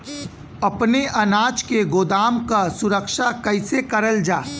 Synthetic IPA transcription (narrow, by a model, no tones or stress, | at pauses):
ɐpneʔɐnaːt͡ʃkeɡoːd̪aːmkasʊɾəkʃakɐɪsekɐɾəld͡ʒaː